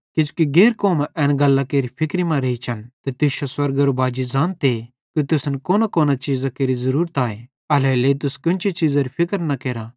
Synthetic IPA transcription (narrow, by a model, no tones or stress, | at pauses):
kid͡ʒu̥kiɡeːɾkoːmʔɛ̃ːnɡɐlːakeːɾipʰɪkɾimãɾeit͡ʃʰɐnt̪et̪ɪʃaswɐɾɡɐɾobaːd͡ʒid͡ʒãːnt̪eː | kit̪ʊsnkoːnakoːnat͡ʃiːzakeːɾizɐɾuːɾət̪aːe | ɐlɛleːit̪̬ʊskʊ̃nt͡ʃʰit͡ʃiːzaɾipʰɪkəɾnɐkeːɾa